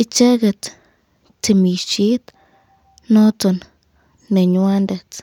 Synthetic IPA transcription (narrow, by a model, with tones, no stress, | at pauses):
i˧t͡ʃe˦ɡe˧t͡s | t͡se˧mi˨t͡ʃi˦t̪ | no˦t͡so˨nː | e˨ɲwa˦nd̪e˨t͡s